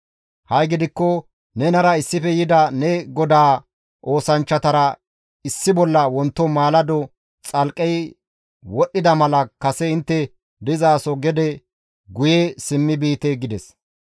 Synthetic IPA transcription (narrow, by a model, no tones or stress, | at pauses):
hɐjɡɪd̪ɪkːɔ | nɛnɐɾɐɪsːɪfɛjɪd̪ɐnɛɡɔd̪aː | ʔo̞ːsɐnt͡ʃːɐt̪ɐɾɐ | ɪsːɪbɔlːɐwɔnt̪ːɔmaːlɐd̪ɔ | t͡sʼɐlkʼːɛj | wɔɗːɪd̪ɐmɐlɐkɐsɛɪnt̪ːɛ | d̪ɪzaːsɔɡɛd̪ɛ | ɡʊjɛsɪmːɪbiːt̪eɡɪd̪ɛs